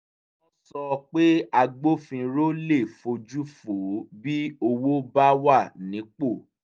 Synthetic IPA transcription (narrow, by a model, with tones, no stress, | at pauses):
ɔ˦sɔ˧k͡pe˦a˧ɡ͡bo˦fĩ˧ɾo˦le˦˨fo˧d͡ʒu˦fo˨˦bi˦o˧wo˦ba˦wa˦˨nĩ˨˦k͡po˦˨